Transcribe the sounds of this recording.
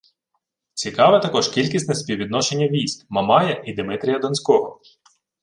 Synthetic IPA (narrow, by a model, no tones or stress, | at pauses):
t͡sʲikɑʋɛt̪ɐkɔʒkʲilʲkʲisʲt̪nɛspʲiwʋʲid̪nɔʃenʲːɐʋʲijsʲkmɐmɑjɐʔid̪ɪmɪt̪ɾʲijɐd̪ɔnsʲkɔɦɔ